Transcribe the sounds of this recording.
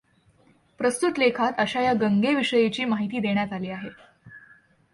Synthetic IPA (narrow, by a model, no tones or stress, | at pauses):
pɾəst̪ut̪lekʰat̪əɕajaɡəŋɡeʋiʂəjet͡ɕiːmaɦit̪iːd̪eɳ̃jat̪aliːaɦe